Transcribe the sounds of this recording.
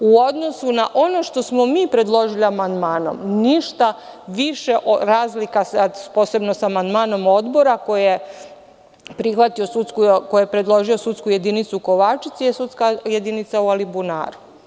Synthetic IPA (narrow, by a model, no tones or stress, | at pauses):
uo̞d̪nosunaʔo̞no̞ʃt̪o̞smo̞miːpɾe̞d̪lˠo̞ʒiliamand̪maːno̞̰mniʃt̪a | ʋiʃeʔoɾaːzlikasapoːsobnosamand̪maːno̞mo̞d̪bo̞ɾako̞jije | pɾixʋat̪io̞sut̪skukojepɾe̞d̪lˠo̞ʒio̞sut̪skujed̪init̪suko̞ʋaːt͡ʃit̪sijesut̪skajed̪init̪saualibuna̰ːɾu